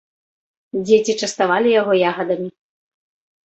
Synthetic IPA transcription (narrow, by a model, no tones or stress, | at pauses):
d͡zʲet͡sʲit͡ʂɐst̪avalʲijaɣɔjaɣɐd̪ɐmʲi